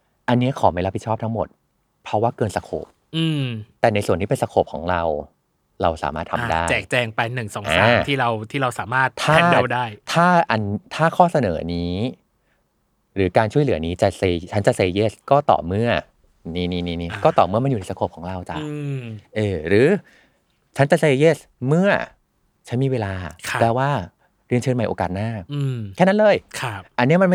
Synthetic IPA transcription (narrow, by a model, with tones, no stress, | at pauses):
ʔa˧nːi˦˥ɐkʰɔː˩˦ma˥˩jɾa˦pʰi˨˩t̚t͡ɕʰɔ˥p̚t̪ʰa˦˥ŋmo˨˩t̪̚ | pʰɾɔ˦˥waː˥˩kɤː˧nsa˧kʰo̰ː˨˩p̚ʔɯː˧mt̪ɛː˨˩na˧jsu˨˩nt̪ʰiː˥˩e˧nsa˧kʰoː˨˩p̚kʰɔ̰ː˩˦ŋɾa˧w | ɾa˧wsa̰ː˩˦maː˥˩t̪ʰa˧mmdaː˥˩t͡ɕɛː˨˩k̚t͡ɕɛː˧ŋpa˧jnɯ˨˩ŋsɔ˩˦asaː˧˩˦iː˥˩ɾa˧wt̪ʰiː˥˩ɾa˧wsaː˩˦maː˥˩t̪̚ʰaː˥ɛ˦˥˩da˧wdaː˥˩jt̪ʰaː˥˩ʔa˧nt̪ʰaː˥˩kʰɔː˥˩sa˧nɤː˩˦niː˦˥˦ | ɾɯː˩˦kaː˧nt͡ɕʰu˥˩jlɯ˩˦ɐniː˦˥t͡ɕa˨˩se˧t͡ɕʰa˦˥nt͡ɕa˨se˧je˥˩skɔː˥˩t̪ɔ̰ː˨˩p̚mɯ˥˩ɐ | niː˧˥˩niː˧˥˩niː˧˩niː˧˩kɔː˥˩t̪ɔː˨˩mɯ˥˩ma˧nj̪i˧˥˩sa˧kʰo˨˩p̚kʰɔː˩˦ŋɾa˧wt͡ɕa̰˨˩ʔɤː˧˩ɾɯː˩˦ | t͡ɕʰa˦˥nt͡ɕa˨˩seː˧jeː˥˩s | mɯ˥˩ɐ | t͡ɕʰa˦˥nmiː˧weː˧laː˧kʰpɛː˧waː˥˩ | ɾɯ˧ənt͡ɕʰɤː˧nma˨˩jʔoː˧kaː˨˩t̪̚naː˥˩˧kʰɛː˥˩na˦˥nlɤː˧jkʰa˧˩ʔa˧nːi˦˥ɐma˧nma˥˩